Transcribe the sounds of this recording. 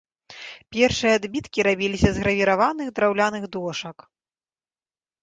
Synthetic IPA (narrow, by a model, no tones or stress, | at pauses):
pʲɛrʂɨjɐad̪bʲit̪kʲiɾabʲilʲisʲɐzɣɾɐvʲiɾavanɨɣd̪ɾawlʲanɨɣd̪ɔʂɐk